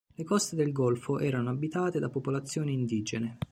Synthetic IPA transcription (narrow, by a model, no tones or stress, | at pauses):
lekɔst̪ed̪elɡɔlfoʔɛːɾanoabːit̪aːt̪ed̪apopolat̪sːjoːniːnd̪iːd͡ʒene